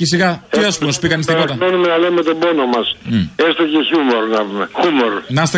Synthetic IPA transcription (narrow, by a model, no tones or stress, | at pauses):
cesiɣɐt̪iɐspumosupikɐnist̪ipot̪ɐonumenɐlemet̪o̞bonomɐsest̪eceçumoɾnɐvumexumoɾnɐst̪e